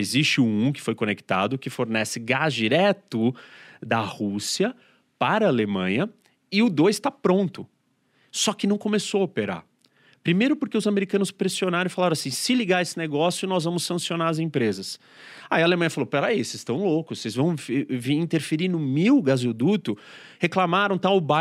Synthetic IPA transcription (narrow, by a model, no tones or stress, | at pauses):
ezist͡ʃɪ̃ũkɪ̥fojkõnekt̪a̰d̪ʊkɪfoɾnɛsɪɡazd͡ʒiɾɛt̪ʊd̪ɐhusiɐ | paɾɐːlemɐ̃ɲɐ | ɪʊd̪ojst̪apɾõnt̪ʊ | sɔkɪnɐ̃w̃kõmesoopeɾa̰ | pɾimejɾʊpʊɾkeʊzameɾikɐ̃nʊspɾesionaɾɐ̃falaɾ̃asĩsɪliɡaesɪneɡɔsjʊnɔzvɐ̃mʊsːɐ̃sionaɾɐzẽpɾezɐs | aiɐalemɐ̃jɐfalowpeɾaisest̪ɐ̃w̃lokʊssezvɐ̃w̃vviĩnt̪eɾfeɾinʊmiwɡazod̪ut̪ʊheklamaɾɐ̃w̃t̪aʊba